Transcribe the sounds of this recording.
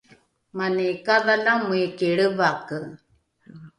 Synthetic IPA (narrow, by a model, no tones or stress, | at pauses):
manekaðalamuekiɭəvakɯ